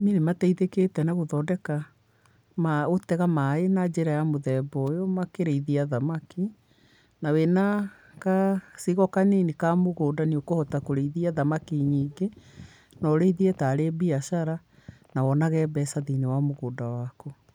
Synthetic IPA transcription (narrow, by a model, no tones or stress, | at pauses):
ninematɛiðeketɛnaɣoðɔdɛka | maotɛɣamaenad͡ʑeɾajamoðɛbɔjɔmakeɾeiðiaðamaki | nawena | kasiɣɔkanenikamoɣoːdaniokohɔtakoɾeiðiaðamakiɲiːɡe | nɔɾeiðiɛtaɾebiaʃaɾa | nawɔnaɣɛbɛsaðinewamoɣoːdawako